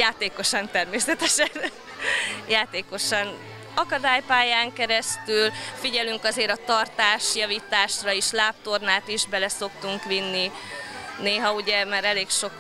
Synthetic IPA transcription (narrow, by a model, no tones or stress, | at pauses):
jaːt̪eːko̞ʃɒnt̪ɛrmeːsɛt̪ɛʃɛn | jaːt̪eːko̞ʃɒn | ɒkɒd̪aːjpaːjaːŋkɛɾɛst̪ylfiɟɛlyŋkɒzeːɾɒt̪ɒrt̪aːʃjɒviːt̪aːʃrɒiʃlaːp̚t̪o̞rnaːt̪iʒbɛlɛso̞k̚t̪uŋkʋinːi | neːɦɒuɟɛmaɾɛleːkʃo̞k